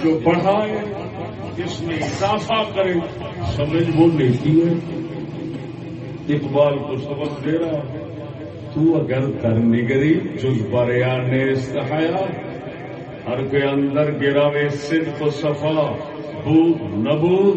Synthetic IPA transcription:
d͡ʒoːbɐɽ̤aːe | kɪsnekaːsaːkɐɾe | sɐməd͡ʒboːneːk̪ie | ɪkbaːlkosɐbəddeːɾaː | t̪ũːɐɡəɾd̪ʱɐɾnɪɡɾid͡ʒʊzbaɾjaːneːst̪ɐɦaːjaː | ɦɐɾkoeɐ̃nd̪əɾɡɪɾaːʋeːsɪd̪ʱkosɐfʰəa | bʱuːnɐbʱuː

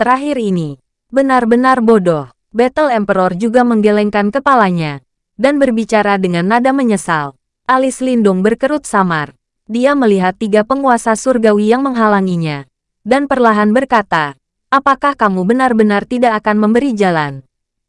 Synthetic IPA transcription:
t̪əɾaɦiɾini | bənarbənarbodɔh | bɛt̪əlɛmpəɾɔrd͡ʒuɡaməŋɡelɛŋkankəpalaɲa | danbərbit͡ʃaɾadəŋanːadaməɲəsal | ʔalislindʊŋbərkəɾut̪̚samar | diaməliɦat̪ːiɡapəŋuasasurɡawijaŋməŋɦalaŋiɲa | danpərlaɦanbərkat̪a | ʔapakahkamubənarbənart̪idaʔːkanməmbəɾid͡ʒalan

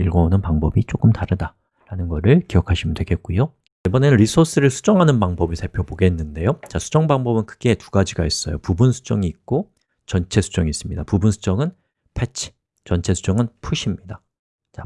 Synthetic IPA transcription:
iɭɡoonɯnpaŋbʌbit͡ɕ͈ok͈ɯmtaɾɯda | ɾanɯnɡʌɾɯɭkiʌkʰaɕʰimɯndweɡe̞t̚k͈ujo | ebʌne̞nɯnɾisʰos͈ɯɾɯɭsʰu̥d͡ʑʌŋɦanɯnpaŋbʌbisʰapʰjoboɡe̞nːɯnde̞jot͡ɕasʰu̥d͡ʑʌŋbaŋbʌbɯnkʰɯ̥ɡe̞tu̥ɡad͡ʑiɡais͈ʌjo̰pubunsʰu̥d͡ʑʌŋiːk̚k͈o | t͡ɕʌnt͡ɕʰe̞sʰu̥d͡ʑʌŋis͈ɯmɲidapubunsʰu̥d͡ʑʌŋɯn | pʰet͡ɕʰi̥ | t͡ɕʌnt͡ɕʰe̞sʰu̥d͡ʑʌŋɯnpʰuɕʰimɲida | t͡ɕa

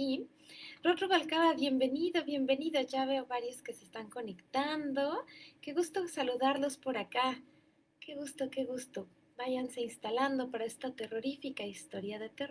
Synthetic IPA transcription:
i | rot̪ɾoβalkaβaβje̞mbe̞niðo̞βje̞mbe̞niðoʝaβe̞oβaɾjo̞skese̞st̪aŋko̞ne̞kt̪and̪o̞ke̞ɣust̪o̞saluðaɾlo̞spo̞ɾaka | ke̞ɣust̪o̞ke̞ɣust̪o̞ | baʝanse̞inst̪aland̪o̞paɾae̞st̪at̪e̞ro̞ɾifikaist̪o̞ɾjaðe̞t̪e

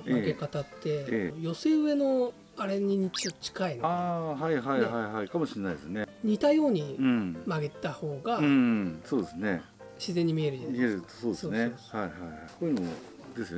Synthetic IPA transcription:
maɡekat̪at̪ːe̞ejo̞seɯ̟e̞no̞ | aɾe̞ɲiɲ̟it͡ɕiot͡ɕi̥kainoaɦaiɦaihaiɦaikamo̞ɕienaid̪esɨneɲ̟it̪ajo̞ːɲ̟iɯ̃maɡe̞t̪aho̞ːɡaɯ̃soːd̪esɨne̞ | ɕizẽ̞ɲ̟ːimʲie̞ɾɯieɾɯ̟t̪ːo̥soːd̪esonehaihaihaikoːjɯno | d̪e̞sɨjo

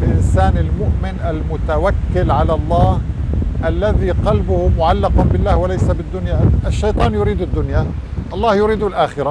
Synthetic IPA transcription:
lʔɪnsaːnɪlmʊʔmɪnʔalmʊt̪awakːɪlʕalalˤːɑːhʔalːaðiqɑlbʊhʊmʊʕalːɪqanbɪlːaːhwalajsabɪd̪ːʊnjaʔaʃːɑjt̪ˤɑːnjʊɾiːd̪ɪd̪ːʊnjaʔɑlˤːɑːhjʊɾiːd̪ʊlʔaːxɪɾa

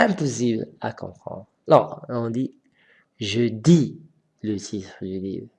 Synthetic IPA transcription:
ɛ̃pɔsibla̰kɔ̰̃pχɑ̰̃d̪ʁalɔ̰ʁɔ̃d̪i | ʒəd̪i | lət̪ʰit̪χəd̪ylḭvʁ

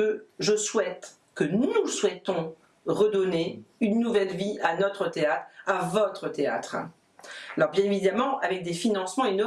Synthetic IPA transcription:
əʒəswɛt̪ | kənuswɛt̪ɔ̃ | ʁəd̪ɔneynːuvɛlvianɔt̪χət̪eat̪χavɔt̪χət̪ea̰t̪χ | alɔʁbjɛ̃evid̪amɑ̃avɛk̚d̪efinɑ̃smɑ̃inɔ

